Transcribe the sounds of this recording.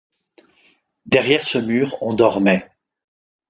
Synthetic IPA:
d̪ɛʁjɛʁsəmyːʁɔ̃d̪ɔʁmɛ

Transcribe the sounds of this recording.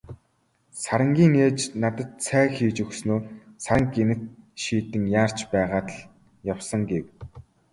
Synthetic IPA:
saɾə̆ŋɡʲiːŋeːt͡ɕnat̪ə̆t̪sʰæːxiːt͡ɕɵxsnoːsaɾə̆ŋɡenɘ̆t̪̚ʃiːt̪ɘ̆ŋjaːr̥t͡ɕpæːʁaːt̪ə̆ɮ | jawsə̆ŋɡew

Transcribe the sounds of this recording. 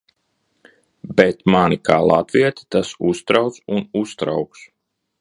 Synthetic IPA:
bet̪manikaːlˠa̰t̪viɛt̪ʲi̥t̪asust̪ɾawt̪sunust̪ɾa̰wks

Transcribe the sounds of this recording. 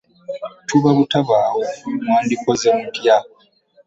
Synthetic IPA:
tʰuβaβutaβaːwomwaːndikozemudja

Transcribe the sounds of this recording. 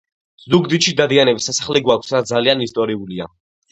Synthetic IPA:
zd̪uɡd̪iʃid̪ad̪ianɛbisːasaχlɛɡwakʷʰsɾad̪zalianist̪ʼɔɾiulia̰

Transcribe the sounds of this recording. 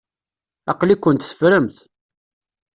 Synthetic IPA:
ɑqlikʷːənt̪θə̥fɾəmθ

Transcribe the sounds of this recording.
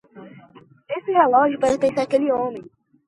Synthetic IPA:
esɪɛlɔʒʊpaɾɐt̪ẽsaɾakeliõmẽj̃

